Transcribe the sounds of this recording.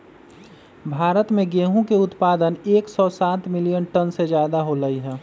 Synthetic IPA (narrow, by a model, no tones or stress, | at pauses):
bʱaːɾət̪mẽɡeːɦũkeʊt̪paːd̪əneːksɔsaːt̪mɪlijənʈənsed͡ʒjaːd̪aɦoləiɦɛː